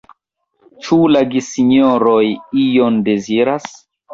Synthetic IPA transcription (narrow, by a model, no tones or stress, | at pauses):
t͡ʃulaɡisiɲoɾojijonde̞ziɾas